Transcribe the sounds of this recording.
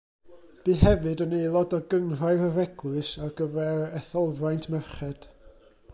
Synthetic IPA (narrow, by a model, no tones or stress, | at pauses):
b̥iːɦɛvɨdɔnejlˠɔdɔɡəŋraɨɾəvɛɡlˠʊɨsarɡəvɛrɛθɔlˠvrajntʰmɛrχɛd̥